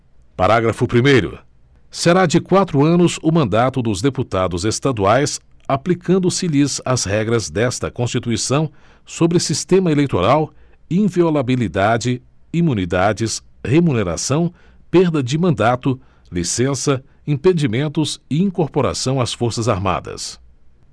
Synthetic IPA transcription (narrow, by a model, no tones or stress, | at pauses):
pa̰ɾaɡɾɐfʊpɾimejɾʊ̰ | seɾad͡ʒɪkwat̪ɾʊɐ̃nʊzʊmɐ̃nd̪at̪ʊd̪ʊzd̪eput̪ad̪ʊzest̪ad̪uajsaplikʰɐ̃nd̪ʊsɪlizɐzhɛɡɾɐzd̪ɛst̪ɐkõst͡ʃit̪uisɐ̃w̃ | sobɾɪsist̪ẽmɐelejt̪oɾaw | ĩviolabilid̪ad͡ʒɪ | imũnid̪ad͡ʒɪs | hemuneɾa̰sɐ̃w̃ | peɾd̪ɐd͡ʒɪmɐ̃nd̪at̪ʊ | lisẽsɐ | ĩpẽd͡ʒimẽnt̪ʊzɪĩŋkoɾpoɾa̰sɐ̃w̃asfoɾsɐzaɾma̰d̪ɐ̰s